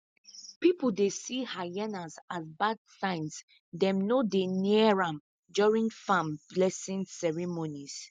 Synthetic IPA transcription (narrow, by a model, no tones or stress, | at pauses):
pipul̩desihajɛnazazbadsãɪ̃ns | dɛ̃mnodeniəɹãm | d͡ʒɔɹĩŋfãmblɛsĩnsɛɹimonis